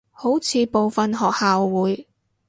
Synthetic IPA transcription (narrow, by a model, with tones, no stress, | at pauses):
ho˨˥wt͡sʰiː˨˧po˨wfɐ˨nɦɔː˨k̚haː˨wːuː˨˥j